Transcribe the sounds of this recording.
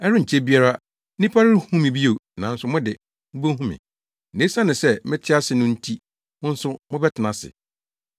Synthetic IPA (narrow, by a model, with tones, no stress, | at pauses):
ɛ˦ɾʊ˦ɲ̩˨t͡ɕʰe˦bi˦a˦ɾa˦ | nĩ˦pʰa˦ɾɪ˦hũ˦mɪ̃˨bi˦o˨nã˨n̩˦sʊ˦mʊ̃˦dɪ˨˦ | bo˦ɦũ˦mɪ̰̃˨ | nẽ˨˦sa˦nɪ̃˨sɛ˦˨mɪ̃˦tʰɪ˦a˦sɪ˨nʊ̃˦n̩˦tʰi˦ | mʊ̃˦n̩˦sʊ˦mʊ̃˦bɛ˦tʰɪ˨nã˨sɪ̰˨